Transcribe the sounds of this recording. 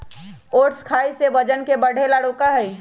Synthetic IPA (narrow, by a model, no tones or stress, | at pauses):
oːʈskʰaːisebəd͡ʒənkebəɽ̤ʱelaɽokaɦɛi